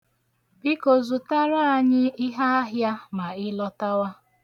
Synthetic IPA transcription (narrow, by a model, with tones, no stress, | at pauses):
bi˦ko˨zu˨ta˦ɾa˦a˨ɲɪ˦ɪ˦ɦa˦a˦ɦja˦ma˨ɪ˦lɔ˦ta˦wa˦